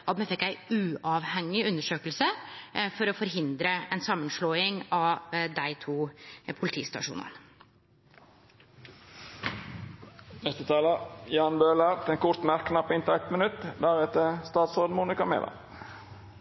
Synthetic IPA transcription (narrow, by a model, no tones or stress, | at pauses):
ʔɑt̪mɛfɛkːæɪʉːɑːʋhɛŋːɪʉnəʂøːkəlsəfɔɾɔfɔɾɦɪnd̪ɾəɛnsɑmːənʂɭoːɪŋɑd̪æɪt̪ʰuːpʰʊlɪt̪ʰḭːst̪ɑ̰ʂṵːnə̰n | nɛst̪ət̪ʰɑːləjɑːnbøːlæt̪ʰeːnkʰʊɾt̪mæɾkːnɑpːɪnt̪ʰɑɛk̚t̪mənʉt̪d̪æɾɛt̪əst̪ɑːt̪sʁoːd̪n̩muːnɪkɑmḛːlɑ̰